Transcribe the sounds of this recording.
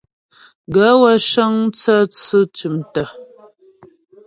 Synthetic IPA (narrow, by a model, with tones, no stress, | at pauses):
ɡə˨˦wa˦ʃə˦ŋt͡sə˦t͡sɨ˦tu˨mtə˨